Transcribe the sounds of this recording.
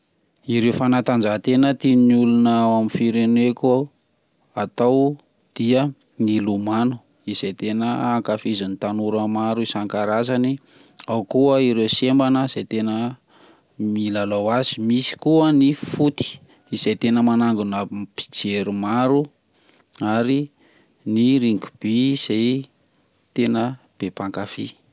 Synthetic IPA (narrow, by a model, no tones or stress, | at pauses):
iɾewfanat̪and͡ʒaɦt̪enət̪inulunaamifiɾeneko | at̪aw | d̪̥iə | nilumanu̥ | izejt̪enəaŋkafizinit̪anuɾəmaɾuisaŋkaɾazani | awkuəiɾewsembanəiz̥ejt̪enə | milalawazimisi̥kuənifut̪i̥ | iz̥ejt̪enəmanaŋɡunəpi̥d͡ʒeɾumaɾu | aɾi | niɾiŋɡu̥b̥iiz̥ej | t̪enə | b̥epaŋkafi